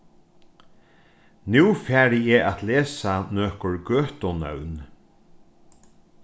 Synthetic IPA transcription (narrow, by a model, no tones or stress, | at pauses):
nuːfæːɾɪɛːat̪leːsanœːkɔɹɡøːht̪ɔnœ̰wn